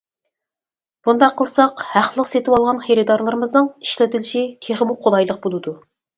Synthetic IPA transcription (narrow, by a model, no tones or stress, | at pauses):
b̥und̪ɑqʰːəlˠsɑqhæχlˠəqset̪ʰɪwɑlˠʁɑnχeɾɪd̪ɑɾlˠɨɾɨmɨznɨŋi̥ʃlɪt̪ʰɪlɪʃikʲʰeχɪmuqʰolˠɑjlˠəq̚bolˠɨd̪u